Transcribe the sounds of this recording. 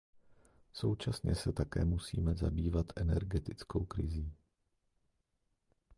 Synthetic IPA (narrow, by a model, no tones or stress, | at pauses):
so̞wt͡ʃasɲɛsɛt̪akɛ̰ːmusḭːmɛzabiːvat̪ʰʔɛnɛɾɡɛt̪ɪt͡skowkɾɪ̰ziː